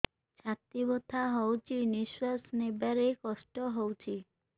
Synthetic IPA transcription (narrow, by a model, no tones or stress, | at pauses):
t͡ɕʰat̪ːibot̪ʰaɦɔwt͡ɕʰiniʃwasnebaɾekɔʃʈoɦowt͡ɕʰi